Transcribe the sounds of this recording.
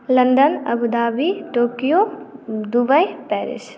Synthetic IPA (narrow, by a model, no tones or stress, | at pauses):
lɐ̃nd̪ənɐ̰bud̪aːbiʈoːkijod̪ubəjpɛːɾɪ̰s